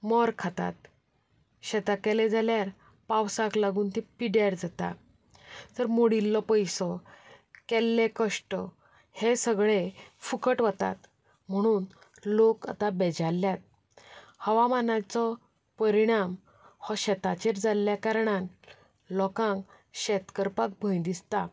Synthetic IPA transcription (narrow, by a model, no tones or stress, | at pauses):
mɔɾkʰat̪a̰t̪̚ | ɕɛt̪akɛled͡zʱaljaɾ | pawsaklaɡuːnt̪ipiɽjaɾd͡zat̪a̰ | t̪əɾmoɽilːɔpəjsɔ | kɛlːekəʂʈɔ | hesəɡɭefukəʈʋət̪a̰t̪ | m̤əɽ̃uːn | loka̰t̪abɛd͡ʑalːjat̪̚ | həʋamanat͡sɔ | pəɾiɽ̃am | hɔɕɛt̪at͡ɕeɾd͡zaljakaɾɳ̃an | lɔkãŋk | ɕɛt̪kəɾpak̚bʱə̃jd̪ist̪a